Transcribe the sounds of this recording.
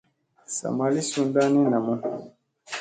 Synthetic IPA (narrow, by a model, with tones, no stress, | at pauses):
sa̰˨ma˨li˦su˦nda˦ni˦na˨mu˦n